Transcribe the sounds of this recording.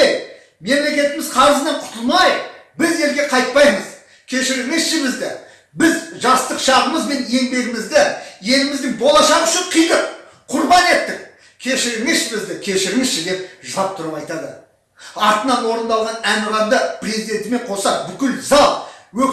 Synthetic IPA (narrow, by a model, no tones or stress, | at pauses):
j | me̞mle̞kʲe̞t̪ɪmɪzqʰɑɾəzənɑɴqʰʊ̥t̪əlˠmɑjbɪze̞lɡʲe̞qʰɑjt̪̚pɑjməz | kʲʰe̞ʃɪɾɪŋɪzʃɪbɪzd̪ɪ | bɪzʒɑst̪əqʃɑʁəməzbe̞ne̞mbe̞ɡʲɪmɪzd̪ɪje̞lɪmɪzd̪ɪŋbo̞lˠɑʃɑʁʏʃɪɴqʰijd̪əq | qʰʊɾbɑne̞t̪ːɪk̚ | kʲʰe̞ʃɪɾɪŋɪʃbɪzd̪ɪkʲʰe̞ʃɪɾɪŋɪzʃɪd̪e̞p̚ʒəlˠɑp̚t̪ʰʊɾəpɑjt̪ɑd̪ə̰ | ɑɾt̪ənɑnwo̞ɾənd̪ɑlˠʁɑnænəʁɑnd̪əpɾʲezijd̪e̞nt̪ɪme̞ɴqʰo̞sɑp̚bʏkʲɪlzɑlˠwɵ